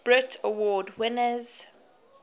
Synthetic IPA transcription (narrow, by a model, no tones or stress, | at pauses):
b̥ɹɪtʰəwɔːdwɪnəz̥